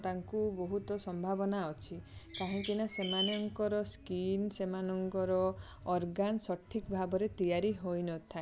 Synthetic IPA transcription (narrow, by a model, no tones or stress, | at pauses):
t̪aŋkubɔɦut̪ɔsɔmbʱabɔnaɔt͡ʃʰikaɦĩkinasemanɔŋkɔɾɔskinsemanɔŋkɔɾɔ | ɔɾɡansɔʈʰːikbʱabɔɾet̪ijaɾiɦojnɔt̪ʰae